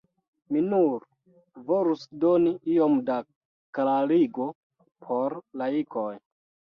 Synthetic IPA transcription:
minuɾ | volusdo̞niio̞mda | klaɾiɡo̞ | pʰo̞ɾlaikʰo̞j

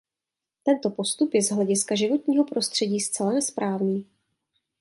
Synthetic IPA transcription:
t̪ɛnt̪o̞po̞st̪upjɛzɦlɛɟɪskaʒɪvo̞t̪ɲiːɦo̞pɾo̞st̪r̝̥ɛɟiːst͡sɛlanɛspɾaːvniː

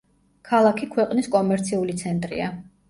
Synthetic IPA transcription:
kʰalˠakʰikʰwɛqʼniskʼɔmɛɾt̪sʰiulit̪sʰɛnt̪ʼɾḭa

